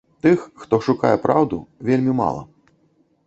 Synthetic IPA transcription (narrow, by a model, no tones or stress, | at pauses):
t̪ɨxxt̪ɔʂukajɛpɾʔawd̪ṵvʲelʲmʲima̰lˠɐ̰